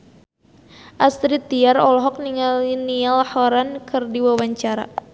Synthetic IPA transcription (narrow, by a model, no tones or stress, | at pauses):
ʔast̪ɾit̪iaɾɔlɔɦɔk̚niŋalinialhɔɾankʰɨrdiwawaɲt͡ʃaɾa̰